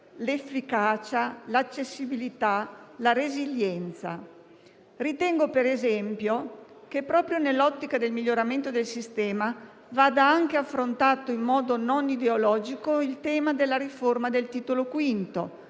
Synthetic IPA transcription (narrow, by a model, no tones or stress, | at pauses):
lefːikaːt͡ʃalat͡ʃːesːibilit̪alaɾeziʎːjɛnt̪sa̰ | rit̪ɛŋɡopeɾezɛmpjo | kepːɾɔːpɾjonelːɔt̪ːikad̪elmiʎːoɾament̪od̪elsist̪ɛːma | vaːd̪aaŋkeafːɾont̪aːt̪oimːɔːd̪ononid̪eolɔːd͡ʒikoilt̪ɛːmad̪elːaɾiformad̪elt̪iːt̪olokwint̪o̰